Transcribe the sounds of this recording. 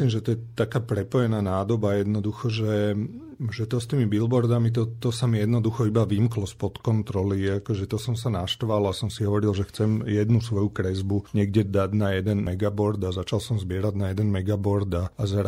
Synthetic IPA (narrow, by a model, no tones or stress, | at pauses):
limʒɛt̪ɔjɛt̪akaːpɾɛpɔjɛnaːnaːd̪ɔbajɛd̪nɔd̪uxɔʒɛ | ʒɛt̪ɔst̪iːmibilbɔɾd̪amit̪̬ɔt̪ɔsamijɛd̪nɔd̪uxɔibaʋimklɔspɔt̪kɔnt̪ɾɔliakɔʒɛt̪ɔsɔmsanaʃt̪ʋalasɔmsiɦɔʋɔɾilʒɛxt͡sɛmjɛd̪nusʋɔjukɾɛzbuɲɛɡɟɛd̪aɟnajɛd̪ɛnmɛɡabɔɾd̪azat͡ʃalsɔmzbɪɛɾaɟnajɛd̪ɛnmɛɡabɔɾd̪aːzɾ